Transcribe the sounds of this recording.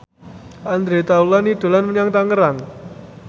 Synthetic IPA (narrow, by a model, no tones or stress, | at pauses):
ʔand̪ɾet̪aulaniɖ̪̥o̤lanmənaŋt̪aŋəɾaŋ